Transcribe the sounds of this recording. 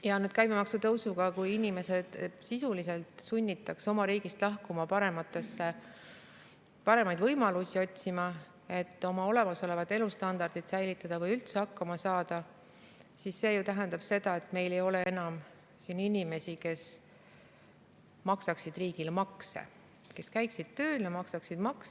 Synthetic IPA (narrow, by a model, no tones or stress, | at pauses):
jɑnyːd̪̥kæjmemɑksut̪ɤwsuɡɑkujinʲime̞se̞d̪̥sisulise̞lt̪ˑsunʲːit̪ːˑɑkso̞mɑɾiːɡ̥ist̪lɑhkumɑpɑɾe̞mɑt̪ːˑesːe | pɑɾe̞mɑjd̪vɤjmɑlusʲio̞t̪ʲsimɑ | e̞t̪ːˑo̞mɑo̞le̞mɑso̞le̞vɑt̪ːˑe̞lust̪ɑnd̪̥ɑrd̪̥it̪sæjlit̪ːˑɑd̪̥ɑvɤjylt̪se̞hɑkːɑmɑsɑːd̪̥ɑ | sisːe̞ːjut̪æɦend̪ɑb̥se̞d̪̥ɑe̞t̪me̞jle̞jo̞le̞e̞nɑm | siːninʲime̞sʲike̞s | mɑksɑksid̪̥riːɡ̥ilemɑksḛ | ke̞skæjksid̪̥̚t̪ø̞ːlɑmɑksɑksid̪̥mɑks